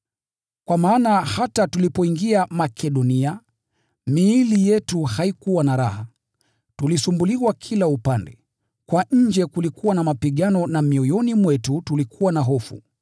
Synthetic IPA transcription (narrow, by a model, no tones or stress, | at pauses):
kwamaːnahatatulipɔiŋɡiamakʰɛɗɔnia | miːlijɛtuhaikuwanaɾaha | tulisumbuliwakʰilaupandɛ̰ | kwaɲ̩d͡ʒɛkulikuwanamapiɠanɔnamiɔjɔnimwɛtutulikʰuwanaɦɔfṵ